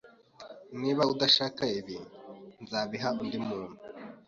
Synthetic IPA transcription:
niːβaudaʃaːkaiβinzaːβiɦaundimuːnu

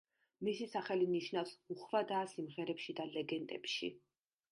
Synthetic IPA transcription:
misisaχɛliniʃnafsuχvad̪aːsimʁɛɾɛpʃid̪alɛɡɛnt̪ʼɛpʃḭ

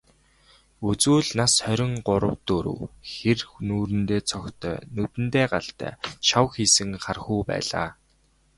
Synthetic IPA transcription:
ɵt͡suːɮnasœɾʲɪ̆ŋɢʊɾə̆wt̪oɾɵ̰wxernuːɾɘ̆nt̪eːt͡sʰɔkt̪ʰœ̰ːnɵt̪ɘ̆nt̪eːɢaɬt̪æ̰ːt͡ɕʰawxiːsɘ̆ŋχarxuːpæ̰ːɮa̰ː

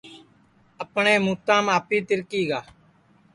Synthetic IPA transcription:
əpɳẽːmuːt̪ãːmaːpiːt̪ɪɾkiːɡaː

